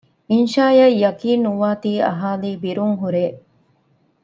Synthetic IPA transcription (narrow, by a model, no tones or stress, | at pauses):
inʃaːjɐjɐkiːnːuʋaːt̪iːɐ̰ɦaːliːbiɾuŋɦuɾeː